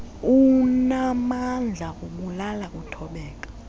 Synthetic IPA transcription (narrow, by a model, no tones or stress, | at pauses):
unamand͡ɮʱaʔuɓulalak̬ʼutʰɔɓɛːk̬ḁ